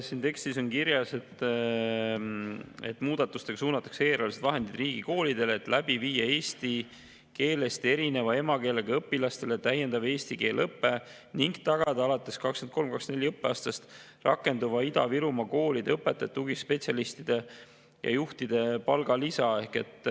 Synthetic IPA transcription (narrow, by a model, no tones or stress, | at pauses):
siːnt̪e̞kst̪iso̞nkiɾjɑse̞t̪ː | ḛt̪ːmuːd̪̥ɑt̪ːˑu̥st̪e̞ɡ̥ɑsuːnɑt̪ːˑɑ̥kse̞ːɾɑlised̪̥vɑɦe̞nd̪id̪riːɡ̥iko̞ːlid̪e̞leːt̪læb̥iviːjɑe̞ːst̪i | ke̞ːle̞st̪e̞ɾine̞vɑe̞mɑke̞ːleɡ̥eɤpːilɑst̪e̞let̪æjːend̪ɑve̞ːst̪ike̞ːlɤpːe̞ | niŋɡt̪ɑɡ̥ɑd̪̥ɑɑlɑt̪ˑːe̞skɑkskent̪̚ko̞lmkɑksnelʲːiɤpːˑeɑːst̪ɑst̪ | rɑ̰kːˑe̞nd̪uvɑid̪ɑ̰viɾumɑko̞ːlid̪eɤpːet̪ːˑet̪ːuɡispe̞tsiɑlist̪id̪̥e̞ | jɑ̰juht̪id̪̥e̞pɑlɡ̥ɑlisɑe̞hke̞t̪ːˑ